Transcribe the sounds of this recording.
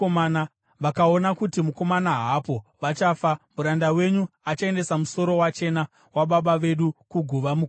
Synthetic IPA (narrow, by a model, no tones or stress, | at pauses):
omana | ʋakao̞nakutimuko̞manaɦapo̞ʋat͡ʃaːfamuɾandawe̞ɲuat͡ʃae̞nde̞samuso̞ɾo̞wat͡ʃe̞na | waɓaɓaʋe̞ɗukuɡʱuʋamu